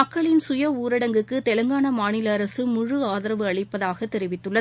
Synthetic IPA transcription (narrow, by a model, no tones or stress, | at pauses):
ɐkːɐɭɪnsʊjɐuːɾɐɽɐŋɡɯkːɯt̪ɛlɐŋɡaːnɐmaːnɪlɐːɾɐsɯmʊɻɯaːðɐɾɐʋɯɐɭɪpːɐðaːɣɐt̪ːɛɾɪʋɪt̪ːɯɭːɐ